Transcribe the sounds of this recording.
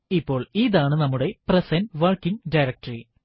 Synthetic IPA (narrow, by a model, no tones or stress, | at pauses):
ipːo̞ːɭiðaːɳɨnɐmːuɽe̞prɐsɐnʋɐrkːiŋɖɐjɾɐk̚tɐri